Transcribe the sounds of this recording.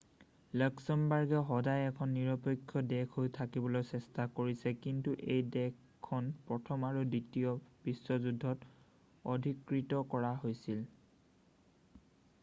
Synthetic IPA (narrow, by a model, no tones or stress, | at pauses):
ləksɔmbaɹɡɛɦɔdajɛkʰɔnːiɹɔpɔkʰːjɔdɛkʰojtʰakibɔlojsɛstakoɹisɛkintuʔejdɛkʰːɔnpɹɔtʰɔmaɹuditijɔpisːɔzudʱːɔt | ɔdʱikɹitɔkɔɹaɦojsil